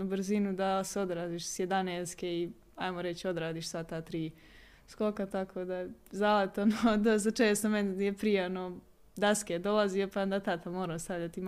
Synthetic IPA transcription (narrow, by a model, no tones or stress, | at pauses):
br̩zinud̪aseo̞d̪ɾaːd̪iːʃsjed̪aneːskei | ajmoɾet͡ɕo̞d̪ɾaːd̪iːʃsat̪aːt̪ɾiː | skokat̪akʰoːd̪aezalet̪onod̪os̬t̪at͡ʃeːst̪omenjepɾijeono | d̪asked̪o̞laziopand̪at̪at̪amoːɾast̪aʋʎat̪im